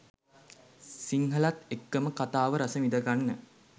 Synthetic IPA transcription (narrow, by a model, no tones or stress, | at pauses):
siŋɦəlat̪ekːəməkat̪aːʋəɾasəmid̪əɡanːə